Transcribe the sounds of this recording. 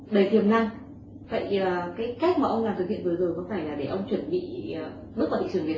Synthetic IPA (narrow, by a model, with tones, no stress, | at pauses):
ɗə˨˧˩jt̪ʰi˨˩əwmna˧ŋ | və̰˧˨jəː˨˩kaː˨˦jka˦˥k̚maː˨˩ʔə˧wŋ͡mlaː˨˩t̪ɨ˨˩hḭ˧˨nvɨ˨˩zəː˨˩jkɔ˨˦faː˧˩jlaː˨˩ɗe˧˩ʔə˧wŋ͡mt͡ɕwə˧˩nɓḭ˧˨ə˨˩ | mɨ˦˥k̚aː˨˩t̪ʰḭ˧˨ɨ˧˩ŋvi˨˩t̚